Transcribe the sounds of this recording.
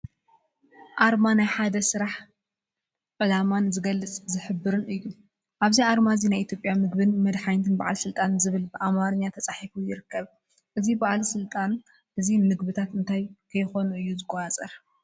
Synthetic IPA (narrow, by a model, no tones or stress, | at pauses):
ʔaɾmanajħad̪ɐsɨɾaħ | ʔɨlamanzɨɡɐlːɨt͡sʼzɨħɨbːɨɾɨnʔɨjːu | ʔaβziaɾmazinajʔit̪ʰjo̞pʼjamɨɡbɨnmɐd̪ħajnt̪ʰɨnba̰ʕalsɨlt̪ʼanzɨβɨlbɨʔamaɾɨɲːat̪ʰɐt͡sʼaħifujɪɾɨkːɐβ | ʔɨzibaʕlsɨlt̪ʼan | ʔɨzimɨɡbɨt̪ʰat̪ɨnt̪ʰajkʰɐjxo̞nuɨjːuzɨɡʼoat͡sʼɐɾ